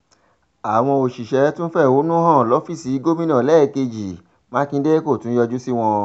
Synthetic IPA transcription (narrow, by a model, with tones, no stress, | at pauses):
a˨w̃ɔ̃˧o˨ʃi˨ʃɛ˨˦tũ˦n̩˦fɛ˦˨wo˨˦nũ˦hã˦˨lɔ˨˦fi˦˨si˨˦ɡo˦mĩ˦nã˦˨lɛ˦˨ke˧d͡ʒi˨ | mã˦kĩ˧˦de˦ko˦˨tũ˨˦jɔ˧d͡ʒu˦si˦w̃ɔ̃˧